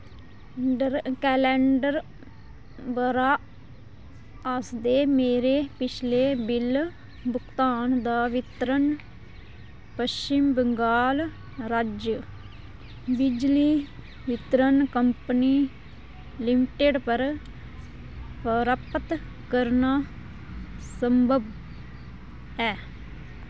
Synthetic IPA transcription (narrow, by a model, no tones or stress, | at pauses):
əɾkɛːlɛːɳɖəɾ | bəɾaː | asd̪eːmeːɾeːpɪt͡ʃʰleːbɪl | bʊkt̪aːnd̪aːʋɪt̪ɾən | pəst͡ʃɪmbəŋɡaːl | ɾad͡ʒ | bɪd͡ʒliː | ʋɪt̪ɾənkəmpəniː | lɪmʈeːɖpəɾ | pəɾəpət̪ | kəɾnaː | səmbʱəb | ɛː